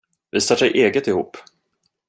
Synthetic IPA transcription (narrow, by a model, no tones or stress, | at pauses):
vɪst̪œːʂɛjʔeːɡət̪ɪhuːpː